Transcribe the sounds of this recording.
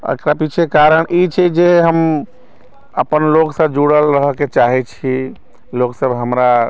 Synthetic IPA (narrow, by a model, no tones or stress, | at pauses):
ə̰kɾapit͡ʃʰekaɾəɳʔit͡ʃʰɛd͡ʒeɦəm | əpənloksəbd͡ʒuɽəlɾəɦəket͡ʃaɦɛt͡ʃʰi | loksəbʱɦəmɾa